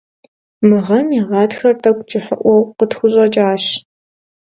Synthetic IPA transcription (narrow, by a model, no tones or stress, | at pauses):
mɨʁɐmiʁɑːtxɐrtʰɐkʷʰʼt͡ʃʼɪħə̰ʔʷɔwqətxʷʊɕʼɐt͡ʃʼaːɕ